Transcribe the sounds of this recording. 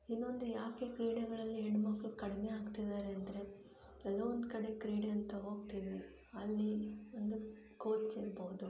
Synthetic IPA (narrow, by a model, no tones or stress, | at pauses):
inːo̞nd̪ujaːke̞kɾiːɽɐɡɐɭɐlːiɦeɳɖmɐkːɐɭkɐɽime̞aːɡt̪id̪aːɾeɐnd̪ɐɾe̞ | ɛld̪oʋond̪kɐɽe̞kɾiːɽeɐnt̪ɐɦo̞ːɡt̪iʋi | ɐlːiond̪u | ko̞ːt͡ʃiɾbɐʋud̪u